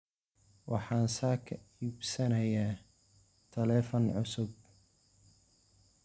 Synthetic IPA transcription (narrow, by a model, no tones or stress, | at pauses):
wɑħɑːnsaːkʰɐiːbsɐnɐja | t̪ʰɐlɛːfɐnʕʊsʊb̚